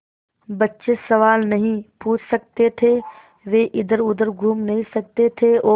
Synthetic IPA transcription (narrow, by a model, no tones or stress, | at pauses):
bɐtːʃesɐʋaːlnɐɦĩpuːt͡ʃʰsɐk̚t̪et̪ʰe | ʋeːʔɪd̪əɾʊd̪əɾɡʱuːmnɐɦĩsɐk̚t̪et̪ʰeoː